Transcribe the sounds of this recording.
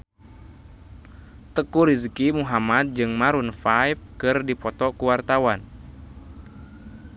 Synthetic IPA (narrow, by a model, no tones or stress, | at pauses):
t̪əkuɾizkimuɦamat̪̚d͡ʒɨŋmaɾunfajf̚kɨrdipɔt̪ɔkuwart̪awan